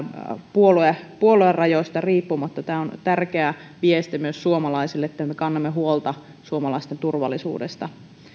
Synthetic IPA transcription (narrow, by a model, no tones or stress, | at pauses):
puoluepuoluerrɑjoist̪ɑriːpːumɑt̪ːɑt̪æːont̪ærk̟eæʋiest̪imyøssuomɑlɑisilːeet̪ːæmekɑnːɑmːeɦuolt̪ɑ | suomɑlɑist̪ent̪urʋɑ̰lːˑisṵːdest̪ɑ